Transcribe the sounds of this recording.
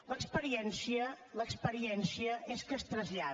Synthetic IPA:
ləkspəɾiɛnsiə | ləkspəɾiɛnsiəʔeskəst̪ɾəzʎa

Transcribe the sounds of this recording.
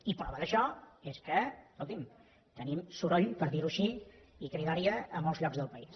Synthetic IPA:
ipɾɔβəðəʃɔeskəkolˠt̪im | t̪ənimsuɾɔʎpəɾðiɾuʃiikɾiðaɾiəːmɔlˠzʎɔɡzðəlˠpəis

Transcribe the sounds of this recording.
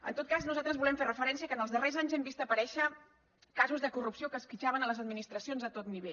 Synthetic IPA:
ə̰nt̪ot̪̚kaznuzalˠt̪ɾəzβulɛmferəfəɾɛnsiəkənəlˠzðərezaɲzɛmbist̪əpəɾɛʃə | kazuzðəkurupsiokəsfit͡ʃaβənələzəd̪̚minist̪ɾəsionzət̪ot̪niβeʎ

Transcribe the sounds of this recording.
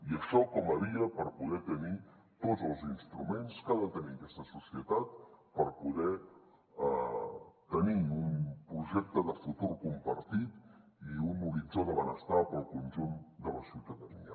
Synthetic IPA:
iəʃɔkɔməβiəpəɾpuðɛt̪əni | t̪ozəlˠzinst̪ɾumenskaðət̪əniəkɛst̪əsusiət̪at̪̚pəɾpuðɛ | t̪əniumpɾuʒɛk̚t̪əðəfut̪urkumpəɾt̪it̪iunuɾid͡zoðəβənəst̪apəlˠkunʲʒund̪ələsiwt̪əðənḭə

